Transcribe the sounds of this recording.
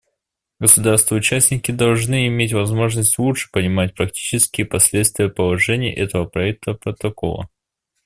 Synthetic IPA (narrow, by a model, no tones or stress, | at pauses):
ɡəsʊd̪arst̪vəʊt͡ɕæsʲnʲɪkʲɪd̪ɐlˠʐnɨɪmʲetʲvɐzmo̞ʐnəsʲtʲlˠutʂɨ̥pənʲɪmatʲpɾɐktʲi̥t͡ɕɪskʲɪjəpɐsʲlʲet̪st̪vʲɪjəpəlˠɐʐɛnʲɪːʔɛt̪əvəpɾɐɛk̚t̪ʰəpɾət̪ɐko̰lˠə̰